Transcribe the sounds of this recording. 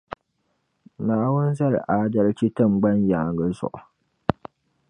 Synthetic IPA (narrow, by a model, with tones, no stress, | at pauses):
naː˨wʊ˦nza˦lɪ̰˨ʔa˨˦da˨ɾɪ˦t͡ʃi˦ta˦mɡ͡ba˦njaː˨ŋɡɨ˦sɔ̰˨ʔʊ˨